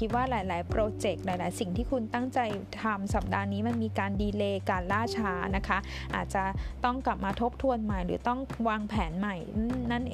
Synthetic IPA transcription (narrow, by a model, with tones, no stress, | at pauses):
i˦˥t̪̚waː˥˩ɾaː˩˦jlaː˩˦jpɾoː˧t͡ɕe˨˩k̚ɾaː˨˩˦jlaː˨˦jsi˨˩ŋt̪ʰiː˥˩kʰu˧nt̪a˥˩ŋt͡ɕa˧jt̪ʰa˧msa˨˩p̚daː˧niː˦˥ma˧nmiː˧kaː˧ndiː˧leː˧kaː˧nlaː˥˩t͡ɕʰaː˦˥na˦˥kʰa˦˥ | ʔa̰ː˨˩t̪̚t͡ɕa˨˩t̪ɔ˥˩ŋkla˨˩p̚maː˧t̪ʰo˦˥p̚t̪ʰu˧ənma˨˩jɾɯ̰ː˩˦t̪ɔ˥˩ŋwaː˧ŋpʰɛː˩˦nma˨˩jːa˥˩nʔ